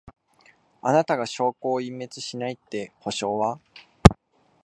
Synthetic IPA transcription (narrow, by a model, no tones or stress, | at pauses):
anat̪aɡaɕo̞ːko̞ːimːe̞t͡sɨ̥ɕinait̪ːe̞ho̞ɕo̞ːβa